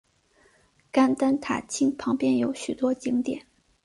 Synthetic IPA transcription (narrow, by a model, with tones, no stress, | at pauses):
ka˥nt̪a˥nt̪ʰa̰˨˩t͡ɕʰi˥ŋpʰɑ˧˥ŋpjɛ˥njo˧˥ʊɕy˨˩t̪wɔ˥t͡ɕi˧˥ŋt̪jɛ̰˨˩˦n